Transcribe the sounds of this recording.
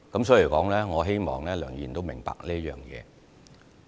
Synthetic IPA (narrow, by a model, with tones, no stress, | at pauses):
kɐ˨˥msɔː˨˥i˨˩kɔː˨˥ŋlɛː˥ŋɔː˨˧ɦe˥jmɔ̰ː˨˩ŋlɛː˥lœː˨˩ŋɥiː˨˩nt̪o˥wmɪ˨˩ŋpa̰ː˧k̚niː˥ɐ˥jœ̰ː˨ŋjɛ̰ː˨˧